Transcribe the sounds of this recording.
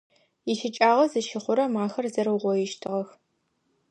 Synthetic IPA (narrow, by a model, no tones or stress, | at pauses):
iʃɪt͡ʃʼaːʁɐzɨʃɪχʷʊɾɐmaːxɐrzɐɾɨwʁʷɔjɪʃtʰɨʁɐx